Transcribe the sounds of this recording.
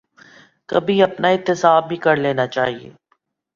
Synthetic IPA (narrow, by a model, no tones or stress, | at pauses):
kɐbʱiɐpnaɪt̪ːɪsaːbʱikɐɾleːnat͡ʃaːɦiḛː